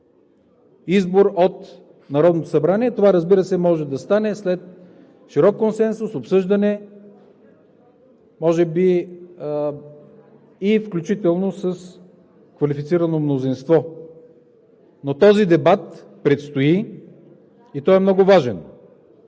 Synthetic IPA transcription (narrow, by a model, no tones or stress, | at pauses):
izboɾot̪ | nɐɾɔd̪not̪osɐbɾaniɛt̪ovaɾəzbiɾəsɛmɔʒɛd̪ɐst̪anɛslɛt̪ | ʃiɾɔkːonsɛnsʊsopsɤʒd̪ɐnɛ | mɔʒɛbi | ifklʲut͡ʃit̪ɛlˠnosəs | kvɐlifit̪siɾɐnomnozinst̪vɔ | not̪ɔzid̪ɛbat̪ | pɾɛt̪st̪oi | it̪ɔɛmnɔɡʊvaʒɛn